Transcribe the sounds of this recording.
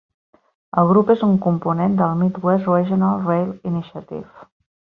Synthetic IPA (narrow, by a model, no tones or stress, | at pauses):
əlˠɣɾupezuŋkumpunend̪əlˠmit̪wɛswɛʒənalˠrejliniʃət̪ḭf